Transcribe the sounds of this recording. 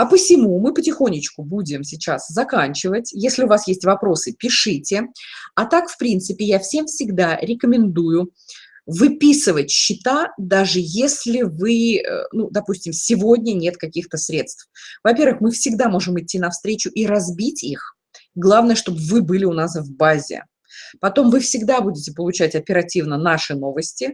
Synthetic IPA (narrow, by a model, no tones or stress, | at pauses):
ɐpəsʲɪmumɨpətʲɪxo̞nʲɪt͡ɕkʊbudʲɪmsʲɪt͡ɕaszɐkanʲt͡ɕɪvətʲjesʲlʲɪʊvasjesʲtʲvɐpɾo̞sɨpʲɪʂɨtʲɪɐt̪akfpɾʲint̪sɨpʲɪjafsʲe̞mfsʲɪɡd̪aɾʲɪkəmʲɪnd̪ujʊ | vɨpʲisɨvətʲɕːɪt̪ad̪aʐɨjesʲlʲɪvɨə̰nud̪ɐpusʲtʲɪmsʲɪvo̞dʲnʲənʲe̞t̪kɐkʲixt̪əsɾʲe̞t̪st̪fvɐpʲe̞ɾvɨxmɨfsʲɪɡd̪amo̞ʐɨmɨtʲːinɐfst̪ɾʲet͡ɕʊʔiɾɐzbʲitʲix | ɡlˠavnəjəʂt̪o̞bvɨbɨlʲɪʊnasvbazʲɪ̰ | pɐt̪o̞mvɨfsʲɪɡd̪abudʲɪtʲɪpəlˠʊt͡ɕætʲɐpʲɪɾɐtʲivnənaʂɨno̞vəsʲtʲɪ